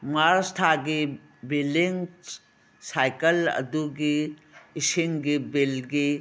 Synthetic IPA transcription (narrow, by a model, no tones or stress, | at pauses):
maɾsʈ̪ʰaɡe | biliŋ | saːjkəlɐ̰d̪uɡiɪsiŋɡibilɡi